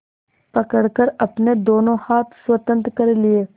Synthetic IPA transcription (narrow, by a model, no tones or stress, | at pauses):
pɐkəɽkəɾɐpned̪oːnõhaːt̪ʰswət̪ə̃nt̪kəɾelɪeː